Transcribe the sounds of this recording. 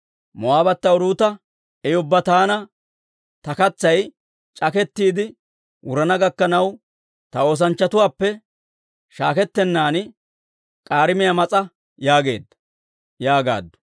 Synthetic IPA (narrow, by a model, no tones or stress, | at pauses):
mɔaːbɐt̪ːɐʊɾuːt̪ɐ | ɛjʊbːɐt̪aːnɐ | t̪ɐkɐt͡sːɐj | t͡ʃʼɐkɛt̪ːiːd̪ɪ | wʊɾɐnɐɡɐkːɐnɐw | t̪ɐo̞ːs̬ɐnt͡ʃːɐt̪ʊwaːpːɛ | ʃaːkɛt̪ːɛnːaːn | kʼaːɾɪmɪjɐmɐt͡sʼɐ | jaːɡe̞ːd̪ːɐ̥ | jaːɡa̰ːd̪ːɔ̥